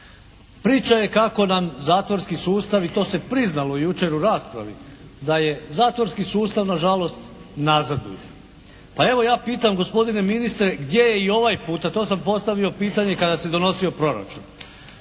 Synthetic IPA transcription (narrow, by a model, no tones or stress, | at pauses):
pɾiːt͡ʃaje̞kako̞namzaːt̪ʋoɾskisuːst̪aʋit̪o̞ːse̞pɾiznalo̞juːt͡ʃe̞ɾuɾaːspɾa̰ʋḭ | d̪aje̞zaːt̪ʋoɾskisuːst̪aʋnaʒalo̞st̪ | nazad̪ṵjḛ | pae̞ʋo̞jaːpiːt̪amɡo̞spo̞d̪ine̞minist̪ɾe̞ɡd̪je̞je̞io̞ʋajpuːt̪at̪o̞ːsampo̞st̪aʋio̞piːt̪aɲe̞kad̪ased̪o̞no̞sio̞pɾo̞ɾa̰t͡ʃṵn